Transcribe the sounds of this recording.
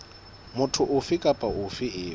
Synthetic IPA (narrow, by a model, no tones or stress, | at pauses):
mʊtʰʊʔʊfɪkʼapʼaʔʊfɪɪː